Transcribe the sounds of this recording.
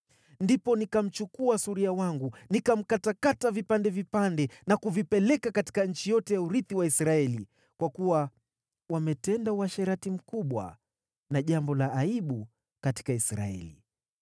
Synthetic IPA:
ndipɔnikam̩t͡ʃukuasuɾiawaŋɡunikam̩katakatavipandɛvipandɛnakuvipɛlɛkakati̥kaɲ̩t͡ʃijɔtɛjauɾiθiwaisɾaɛli | kwakuwa | wamɛtɛndauwaʃɛɾatim̩kuɓwa̰ | naʄambɔlaːiɓu | kati̥kaisɾa̰ɛ̰lḭ

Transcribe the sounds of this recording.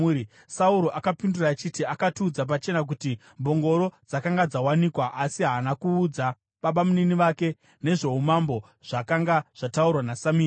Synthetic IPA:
sauɾo̞ʔakapindurat͡ʃitiakatuːd͡zap̬at͡ʃe̞nak̬uti | mbo̞ŋɡo̞ɾo̞d͡zakaŋɡad͡zawanikwaʔasiɦanakuːd͡za | ɓaɓamuniniʋake̞ | ne̞ʐe̞ɦumambo̞ | ʐ̥akaŋɡaʐ̥ataurwanasamiː

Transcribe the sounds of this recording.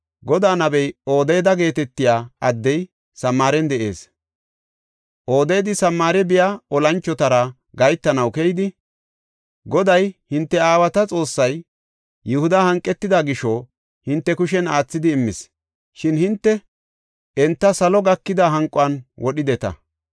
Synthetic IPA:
ɡɔd̪aːnɐbɛjo̞ːd̪eːd̪ɐɡe̞ːt̪ɛt̪ːɪjaːɐd̪ːɛj | sɐmːaːɾɛnd̪ɛʔe̞̰ːs | ʔo̞ːd̪eːd̪ɪsɐmːaːɾɛbɪjaːɔlɐnt͡ʃːɔt̪ɐɾɐ | ɡɐjt̪ːɐnɐwkɛjd̪ɪ | ɡɔd̪ɐjhɪnt̪ːɛaːwɐt̪ɐt͡sʼo̞ːsːɐj | jɛhʊd̪ɐhɐŋkʼːɛt̪ːɪd̪aɡɪʃo | hɪnt̪ːɛkʊʃɛnaːt͡sːɪd̪ɪːmːɪs | ʃɪnhɪnt̪ːɛ | ɛnt̪ːɐsɐlɔɡɐkːɪd̪aɦɐŋkʼːʊɐnwɔɗɪd̪ɛt̪ɐ̰

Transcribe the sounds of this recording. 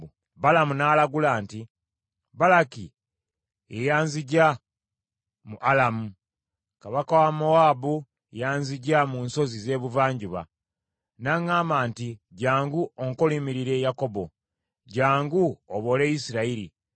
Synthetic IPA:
balamunaːlaɡulaːnti | balaki | ejaːnziɟa | muʔalamu | kaβakawamoaːbu | ejaːnziɟamunso̞zize̞ːβuvaːɲɟuβa̰ | naŋaːmaːntiɟaːŋɡuoŋkolimiɾiɾe̞jako̞bo̞ | ɟaːŋɡuoβo̞le̞isiɾaiɾḭ

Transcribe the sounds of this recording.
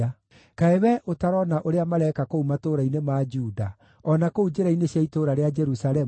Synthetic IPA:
a | kaewɛʔotaɾɔnaʔoɾeamaɾɛkakoumatoɾainemaːd͡ʒuːda | ɔnakoud͡ʒeɾaineɕaitoɾaɾead͡ʒɛɾusaɾɛ

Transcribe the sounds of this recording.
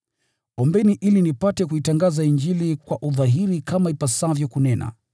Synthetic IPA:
ɔmbɛniʔilinipatɛkuitaŋɡazaiɲd͡ʒilikwaʔuðaɦiɾikamaipasavjɔkunɛna̰

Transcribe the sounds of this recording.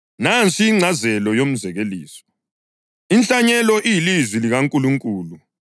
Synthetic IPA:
nant͡sʰʼiːŋ͡ǀʱazɛlɔjom̩zɛɣeliːsɔ̥ | int͡ɬʼaɲɛlɔʔijilizwiliɣaŋkʼuluŋkʼuːlu

